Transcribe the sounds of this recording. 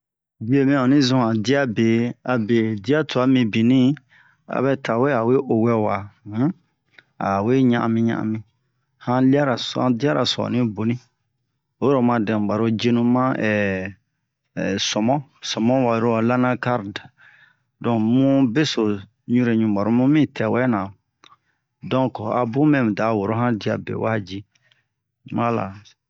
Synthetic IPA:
d͡ʒi˦e˦mĩ˦ɔ˨nĩ˦zũ˨˦a˨di˦a˦be˨a˨be˨di˦a˦to˨a˨˦mĩ˨bĩ˨nĩ˦ | a̰˨βɛ˦ta˨we˦a˨we˦ʔo˨wɛ˦wã˨˦ | a̰˨we˦ɲã˦ʔã̰˨mĩ˦ɲã̰˦˨ã̰˨mĩ˦ | hã˦li˦a˦ɾa˨sã̰˨di˦a˦ɾa̰˨sɔ̰˨nĩ˦bo˨nĩ˦ | o˦ɾɔ˨mã˨dɛ̃˨ɡ͡ba˨ɾo˦d͡ʒe˦nũ˦mã˦ʔɛ˨ | sɔ˨mɔ̃˦sɔ̃˨mɔ̃˦wa˨ɾo˦a˨la˦nã˦ka˦ɾda˨ | dɔ̃˨mũ˦be˦so˨ | ɲũ˦ɾe˨ɲũ˨ba˨ɾo˦mũ˦mĩ˦tʰɛ˨wɛ˦nã˨ | dɔ̃˦kɔ˨a˨bũ˦mɛ̃˦m˨da˨˦wo˨ɾo˦ɦã˦di˨a̰˨bḛ˨wa˦d͡ʒi˦ | ma˦la̰˨

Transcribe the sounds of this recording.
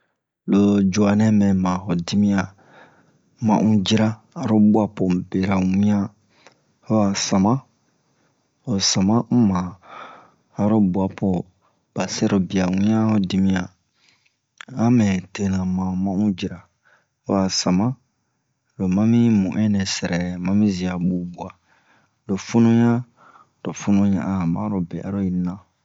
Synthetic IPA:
lo˨d͡ʒu˨a˨nɛ̃˦mɛ̃˨mã˨ho˨di˦mĩ˦a˨ | mã̰˦˨ʔũ˦d͡ʒi˦ɾa˦ | a˨ɾo˦bu˦a˦po˨be˨ɾa˨wĩ˦ã˦ | o˦wa˨sã˨mã˦ | o˨sa˨mã˦mã˨ | ɾo˦bu˨˦a˨po˨ | b̥a˨se˦ɾo˨bi˨a˨wĩ˦ã˦o˦di˧mĩ˦a˨ | ã˦mɛ̃˨te˦nã˨mã˨mã˦ũ˦d͡ʒi˨ɾa˨ | o˦wa˨sa˨mã˦ | lo˨mã˦mĩ˦mũ˨ʔɛ̃˦nɛ̃˨sɛ˨ɾʔɛ˨mã˦mĩ˦zi˨a˨bu˨bu˨a˨ | do˨fu˦nũ˦ɲã˦ | do˨fu˦nũ˦ɲã̰˨ʔa˨mã̰˦ɾo˦bɛ˨ʔa̰˦ɾo˦i˨nã˦

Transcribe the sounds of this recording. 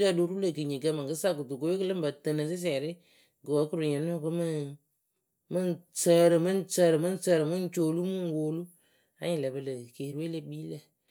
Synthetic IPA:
ɾa˦˨du˦ɾu˦lə˨kɨ˨ɲi˨kə˧˦mɨ˨ŋkɨ˦sa˦ku˨tu˨ko˨˦e˦kɨ˦lɨ˦ba˨tə˨nɨ˨si˦s̬ɛː˨ɾɪ˦ | ɡɨ˨wə˨˦kɨ˦ɾu˨ɲɛ˨n˦o˦˨kɨ˦mɨ˦ | mɨ˦nt͡səː˦ɾɨ˨mɨ˦nt͡səː˦ɾɨ˨mɨ˦n˦t͡səː˦ɾɨ˨mɨ˦n˦t͡ʃoː˨lu˦mɨ˦ŋ˨woː˨lu˦ | a˨˦ɲi˨le˨bə˨lə˨ke˨ɾu˦we˦le˦biː˦lə˨

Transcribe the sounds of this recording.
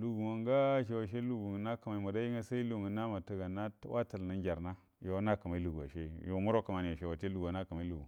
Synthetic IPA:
lu˨ɡu˨wa˨ŋɡa˦ʃ̬e˨wa˨ʃe˦lu˦ɡu˨ɡna˦ka˨ma˨i˨ma˨da˦i˦ŋa˦sa˦i˦lu˨ŋu˨na˦ma˨ta˦ɡa˨na˦wa˦ta˨lna˦ŋɡʲa˨ɾna˦ | jo˨wa˦na˦ka˨ma˨i˦lu˨ɡu˨a̰˨ʃe˦jo˨mu˦ɾo˦ka˨ma˨ni˨a˨ʃe˨wa˨te˦lu˨ɡna˦ka˨ma˨i˦lu˨ɡu˨

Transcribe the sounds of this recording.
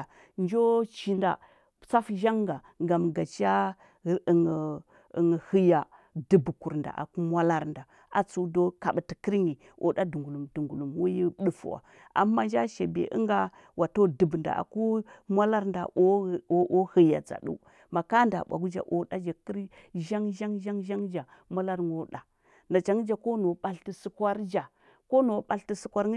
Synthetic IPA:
nd͡ʒo˦t͡ʃi˨nda̰˨ | t͡sa˦fʒa˦ŋɡa˨ | ɡa˨mɡa˨t͡ʃa˦˨ | ŋ˨ | ŋ˨hə˦ja˨ | də˨bku˨ɾnda̰˨ʔa̰˨ku˦mwa˦la˦ɾnda˨ | a˨t͡su˦˨do˦ka˨ɓti˨kə˦ɾɲi˨ | o̰˨ɗa˦du˨ŋɡu˨lu˨mdu˨ŋɡu˨lu˨mwu˦ji˦ɗu˨fṵ˨wa̰˨ | ʔa̰˨mːa˦nd͡ʒa˦ʃe˨bḛ˨ʔə̰˦ŋɡa˦ | wa˨to˦də˨bnda̰˨a̰˨ku˦mʷa˦la˦ɾnda̰˨ʔo˦˨o˦ʔo˦hə˨ja̰˨d͡za̰˨ɗṵ˦ | ma˨ka˦nda̰˨ɓʷa˨ɡu˦d͡ʒa̰˨ʔo˨ɗa˦d͡ʒa˨ki˦ɾi˦ʒa˦ŋʒa˦ŋʒa˦ŋʒa˦ŋd͡ʒa˨mʷa˦la˦ɾŋo˦ɗa˨ | na˨t͡ʃa˨ŋ˦d͡ʒa˨ko˦no˨ɓa˦ɬti˨su˦kwa˦ɾd͡ʒa˨ | ko˦no˨ɓa˨lti˨su˦kʷa˦ɾ

